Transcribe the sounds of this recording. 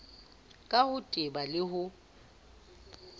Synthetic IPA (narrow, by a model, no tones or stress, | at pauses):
kʼahʊtʼɪbalɪɦʊ